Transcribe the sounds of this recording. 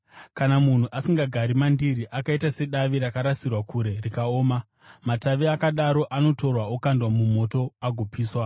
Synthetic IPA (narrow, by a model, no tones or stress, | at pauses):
kanamun̤uʔasiŋɡaɡʱaɾimandiriʔakaitase̞ɗaʋiɾakaɾasirwakʰuɾe̞rikao̞ːma | mataʋiakaɗaɾo̞ʔano̞to̞rwaokandwamumo̞to̞aɡʱopiːswa